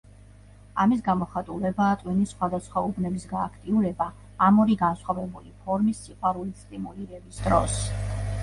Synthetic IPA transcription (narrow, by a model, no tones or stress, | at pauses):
amis̬ɡamɔχat̪ʼulɛbaːt̪ʼwinisχwad̪asχwaubnɛbisɡaːkʰt̪ʼiuɾɛbaː | mɔɾiɡansχwavɛbulipʰɔɾmisːiqʼwaɾulit̪sʼt̪ʼimuliɾɛbisd̪ɾɔ̰s